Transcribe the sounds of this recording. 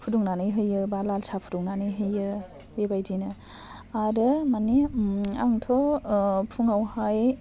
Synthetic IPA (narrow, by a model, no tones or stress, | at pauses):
pʰuduŋnanɯjɦɯjɯbalalsapʰuduŋnanɯjɦɯjɯ | bebajdinɯ | aɾɯmaniaŋtʰɔpʰuŋawhaj